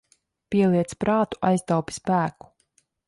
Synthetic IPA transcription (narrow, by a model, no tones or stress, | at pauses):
pʲiɛlˠiɛt̪spɾaːt̪u̥ʔa̰jst̪awpʲi̥spæːku̥